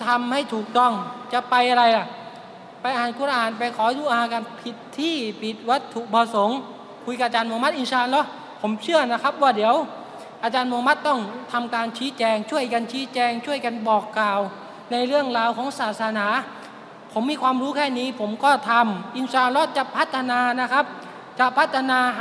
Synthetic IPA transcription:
t̪ʰa˧mha˥˩jt̪ʰuː˨˩k̚t̪ɔ˥˩ŋt͡ɕa˨˩pa˧jʔa˧ɾa˧jla˨˧˩ | pa˧jʔaː˨˩nku˧˥ɾa˧aː˨˩npa˧jkʰɔː˨˩˦d̪uː˧ʔaː˧haː˧˦ka˧npʰi˨˩t̪ʰːiː˥˩pʰi˨˩t̪̚wa˦˥t̪ʰːu˨˩k̚bʰɔː˧so˨˩˦ŋ | kʰu˧jka˧˩ʔa˧t͡ɕaː˧nm˧ma˦˥t̪̚ʔi˧nsaː˧nlɔ˦˥ | pʰo˩˦mt͡ɕʰɯ˥˩ɐəna˦˥˩kʰa˦˥p̚waː˥˩di˩˦əw | ʔaː˧t͡ɕaː˧nmo˧ma˦˥t̪ːɔ˥˩ŋt̪ʰa˧mkaː˧nt͡ɕʰiː˦˥t͡ɕɛː˧ŋt͡ɕʰu˥˩əjka˧nt͡ɕʰiː˦˥t͡ɕɛː˧ŋt͡ɕʰu˥˩əjka˧nbɔː˨˩kːaː˨˩w | na˧jɾɯ˥˩əŋɾaː˧wkʰɔː˨˦ŋsaː˨˩t̪̚sa˧naː˩˦ | pʰo˩˦mːiː˧˥kʰwaː˧mɾuː˦˥kʰɛː˥˩niː˦˥pʰo˩˦mkɔː˥˩t̪ʰa˧mʔi˧nsaː˧nlɔ˦˥t͡ɕa˨˩pʰa˦˥t̪ʰːa˧naː˧na˦˥kʰa˦˥p̚ | t͡ɕa˧pʰa˦˥t̪ʰːa˧naː˧

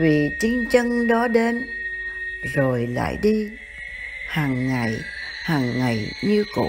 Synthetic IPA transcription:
vi˨˩t͡ɕi˧ŋt͡ɕə˧ŋɗɔ˨˦ɗe˨˦n | zo˨˩jla̰ː˧˨jɗi˧ | haː˨˩ŋːa˨˩j | haː˨˩ŋːa˨˩jɲɨ˧ko̰˧˥

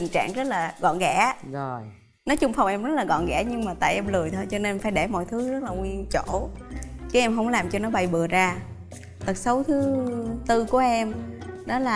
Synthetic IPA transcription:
i˨˩ŋt͡ɕa̰ː˧˨ŋzə˦˥t̚laː˨˩ɣɔ̰˧˨nɣɛ̰˧˩˥ | nɔ˨˦t͡ɕʊ˧ŋ͡mfa˧wŋ͡mʔɛ˧mzə˦˥t̚laː˨˩ɣɔ̰˧˨nɣɛ̰˧˩˥ɲɨ˧ŋmaː˨˩t̪a̰ː˧˨jʔɛ˧mlɨ˨˩əjt̪ʰo˧jt͡ɕɔ˧ne˧nfaː˧˦jɗe˧˩mɔ̰˧˨jt̪ʰɨ˨˦zə˦˥laː˨˩ŋwi˧ənt͡ɕo˧˩˨t͡ɕɨ˨˦ʔɛ˧mɦə˧wŋ͡mlaː˨˩mt͡ɕɔ˧nɔ˨˦ɓa˨˩jɓɨ˨˩əzaː˧ | t̪ə˨˩t̚sə˨˦wt̪ʰɨ˨˦t̪ɨ˧ku˧˩əʔɛ˧mɗɔ˨˦laː˨˩

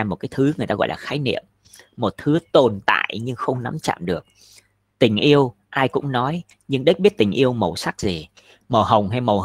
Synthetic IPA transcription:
mo˨˩t̚kaː˨˦jt̪ʰɨ˨˦ŋɨ˨˩jt̪aː˧ɣɔ̰˧˨jlaː˨˩xaː˨˦jnḭ˧˨əmː | o˨˩t̚t̪ʰɨ˨˦t̪o˨˩nt̪a̰ː˧˨jɲɨ˧ŋxə˧wŋ͡mna˨˦mt͡ɕa̰ː˧˨mɗɨ˨˩ək̚ | t̪ï˨˩ŋ̟ʔi˧əw | ʔaː˧jkʊ̰˧˥ŋ͡mnɔ˨˦j | ɲɨ˧ŋɗi˦˥k̚ɓi˦˥ət̚t̪ï˨˩ŋ̟ʔi˧əwmə˨˩wsa˦˥k̚zi˨˩ | məː˨˩ɦə˨˩wŋ͡mɦa˧jmə˨˩

